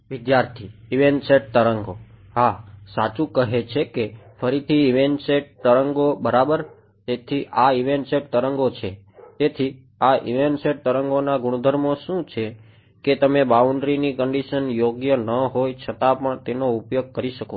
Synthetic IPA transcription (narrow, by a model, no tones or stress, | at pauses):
ʋɪd̪jaɾt̪ʰiːʋenseʈ̚t̪əɾəŋɡo | ɦasat͡ʃũkəɦet͡ʃʰekefʰəɾit̪ʰiːʋenʈseʈ̚t̪əɾəŋɡobəɾabəɾ | t̪et̪ʰiʔaiʋenʈseʈt̪əɾəŋɡot͡ʃʰe | t̪et̪ʰi | aʔḭʋenʈseʈ̚t̪əɾəŋɡonaɡʊɽ̃ud̪ʱəɾmoʃũt͡ʃʰe | ket̪əmebauɳɖɾinikəɳɖiʃənjoɡjənəɦojt͡ʃʰət̪apəɳt̪enoupjoɡ̚kəɾiʃəko